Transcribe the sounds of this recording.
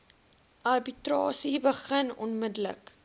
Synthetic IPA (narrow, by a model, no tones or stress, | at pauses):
ʔɐrbitrɑːsibəχənɔnmədələ̰k